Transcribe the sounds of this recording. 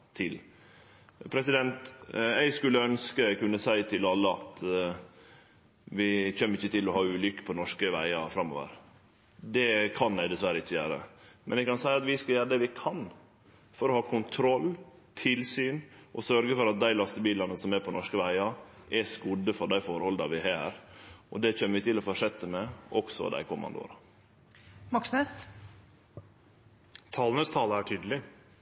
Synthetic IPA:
t̪ʰɪl | pʰɾɛsɪd̪ɛnt̪ɛɪɡskʉlːəœnskəɛɪɡkʉnːəsæɪt̪ʰɪlɑlːəɑ̰t̪ | ʋɪçɛmːəɪçːət̪ɪlɔhɑːʉːlʏkə̥pʰɔnɔʂkəʋæ̰ɪɑfɾɑmːo̰ːʋə̰ɾ | d̪ɛkʰɑnæɪd̪ɛsʋæɾəɪçːəjæ̰ːɾə̰mɛnɛɡkɑnsæɪɑt̪ʋɪskɑljæːɾəd̪ɛʋɪkʰɑn | fɔɾɔhɑːkʰʊnt̪ʰɾɔlː | t̪ʰɪlsyːnʔɔsœɾɡəfɔɾɑt̪̚d̪æɪlɑst̪əbiːlɑnəsɔmɛpʰɔnɔʂkəʋæɪɑʔɛskʊd̪əfɔɖæɪfoːɾhɔld̪ɑʋɪhɑæɾɔd̪ɛc͡çøːnəʋɪt̪ʰɪlɔfɔʂɛt̪ːəmɛʔɔksɔ̰d̪æ̰ɪkʰʊmɑ̰nd̪o̰ːɾɑ | mɑksnes | t̪ʰɑːlnəst̪ʰɑːləæʈʰyːd̪əlɪ

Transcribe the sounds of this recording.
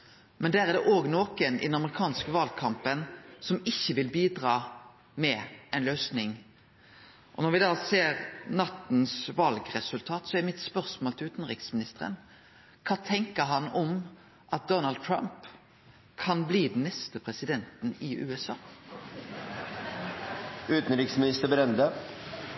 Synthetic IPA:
mɛnd̪æːʁɛd̪ɛʔoːɡnoːkənɪ̰d̪ɛnɑməʁɪkʰɑːnskəʋɑlkʰɑmpənsɔmɪçːəʋɪlbiːd̪ʁɑː | mɛʔɛɪnløːsnɪŋ | ʔɔnɔʁʋɪd̪ɑːseːʁnɑt̪n̩sʋɑlɡʁɛsʉlt̪ʰɑːt̪sɔɛɾmɪt̪spœʁsmoːlt̪ɪlʉːt̪nʁɪksmɪnɪst̪əɾə̰n | kʰɑːt̪ʰɛŋkəɦɑnɔm | ʔɑt̪̚d̪ɔnɑld̪̚t̪ʰɾɑ̰mp | kʰɑnbliːd̪n̩nːɛst̪əpʰɾɛsɪd̪ɛnt̪n̩ɪʔʉ̰ːɛsɑː | ʉːt̪n̩ɾɪksmɪnɪst̪əbɾɛnd̪ə

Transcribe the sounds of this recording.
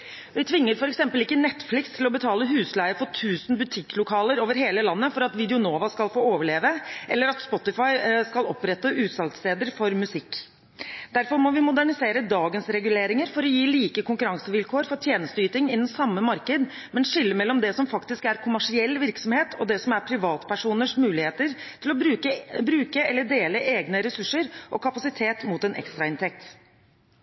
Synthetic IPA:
ʋɪt̪ʰʋɪŋːəɾfɔɾɛksɛmpəlɪkːənɛt̪ːflɪkst̪ʰɪlɔbət̪ʰɑːləhʉːslæɪəfɔʈʰʉːsnbʉt̪ʰɪkːlʊkʰɑːləɾoːʋəɾɦeːləlɑnːəfɔɾɑt̪ʋɪd̪ɛʊnoːʋɑskɑlfoːoːʋəɭeːʋəʔɛlːəɾɑt̪spɔt̪ːɪfɑɪskɑlɔpɾɛt̪ːəʔʉːt̪sɑlt̪st̪eːd̪əɾfɔɾmʉsɪkː | d̪̥æɾfɔɾmɔʋɪmʊd̪æɳɪseːɾəd̪ɑːɡənsɾɛɡʉleːɾɪŋəɾfɔɾɔjiːliːkəkʊŋkʉɾɑŋsəʋɪlkʰoːɾfɔʈʰjeːnəst̪əyːt̪ɪŋɪd̪ənsɑmːəmɑɾkəd̪ | mɛnʂɪlːəmɛlːɔmd̪ɛsɔmfɑkt̪ɪskæɾkʰʊmæʂɪɛlːʋɪɾksɔmheːt̪ʰɔd̪ɛsɔmæɾpʰɾɪʋɑːt̪pʰæʂuːnəʂmʉːlɪheːt̪əɾt̪ʰɪlɔbɾʉːkəbɾʉːkəɛlːəɖeːləʔeːɡnəɾɛsʉʂːəɾʔɔkʰɑpɑsɪt̪ʰeːt̪mut̪ɛnʔɛ̰kst̪ɾɑɪnt̪ʰɛk̚t̪

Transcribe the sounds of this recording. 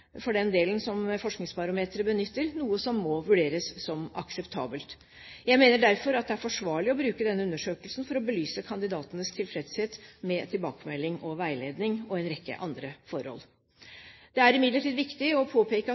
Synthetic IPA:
fɔɖɛnd̪eːlənsɔmfɔʂknɪŋspɑɾʊmeːt̪ɾəbənʏt̪ːəɾnuːəsɔmːɔʋʉɖeːɾəsːɔmɑ̰ksəpt̪ʰɑ̰ːbəlt̪ | jæɪmeːnəɖæɾfɔɾɑt̪̚d̪ɛæɾfɔʂʋɑːɭɪɔbɾʉːkəd̪ɛnːəʉnːəʂøːkəlsn̩fɔɾɔbəlyːsəkʰɑnd̪ɪd̪ɑːt̪ənəst̪ʰɪlfɾɛd̪sheːt̪mɛt̪ʰɪlbɑːkəmɛlːɪŋɔʋæɪleːd̪nɪŋɔɛnɾɛkːə̰ʔɑnd̪ɾəfɔɾhɔ̰l | d̪̥ɛæɾɪmɪd̪ləʈʰiːd̪ʋɪkt̪ɪɔpʰoːpʰeːkə

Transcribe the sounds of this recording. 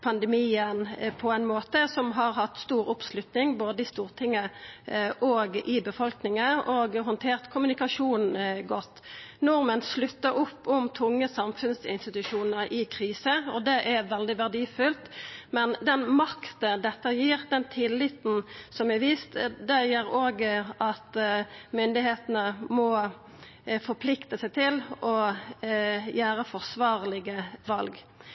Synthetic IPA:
pʰɑnd̪ɛmiːənpʰɔɛɪnmoːt̪əsɔmɦɑʁɦɑt̪ːst̪uːɾʊpslʉt̪nɪŋboːd̪əɪst̪uːʁt̪ʰɪŋːə | ʔɔːɡʔɪbəfɔlknɪŋəɔːɡɦɔnt̪ʰeːʁt̪kʰʊmʉnɪkɑʂuːnɡɔt̪ːnɔʁmənslʉt̪ːəɾʊpːʊmt̪ʰʊŋːəsɑmfʉnsɪ̰nst̪ɪt̪ʉʂuːnəʁʔɪkʰʁiːsəɔd̪ɛʔɛʋɛld̪ɪʋæʁd̪iːfʉlt̪mɛnd̪ɛnmɑkt̪əd̪ɛt̪ːəjiːʁd̪ɛnt̪ʰɪlːɪt̪n̩sɔmæʋiːst̪d̪æjəːɾoːɡəʔɑt̪mʏnd̪ɪɦeːt̪nəmɔ | fɔpʰlɪkt̪əsæɪt̪ʰɪlʔɔ | jæːɾəfɔʁsʋɑːʁlɪɡəʋɑlɡ

